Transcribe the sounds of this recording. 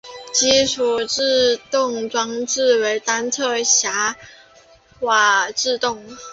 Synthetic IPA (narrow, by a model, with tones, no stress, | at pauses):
t͡ɕi˥ʂʰu˨˩ʈ͡ʂɻ̩˥˧t̪ʊ˥˩ŋʈ͡ʂwɑ˥ŋʈ͡ʂɻ̩˥˩we˧˥ɪt̪a˥nt͡sʰɤ˥˩ɕja˧˥ | xwa˨˩ʈ͡ʂɻ̩˥˧t̪ʊ˥˩ŋ